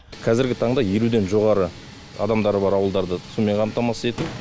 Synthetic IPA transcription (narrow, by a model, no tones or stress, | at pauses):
qʰɑzɪɾɡʲɪt̪ʰɑɴd̪ɑjeɾud̪e̞nʒo̞ʁɑɾə | ɑ̰d̪ɑmd̪ɑɾəbɑɾɑwəlˠd̪ɑɾd̪əsume̞ɴqʰɑmt̪ɑmɑsəe̞t̪u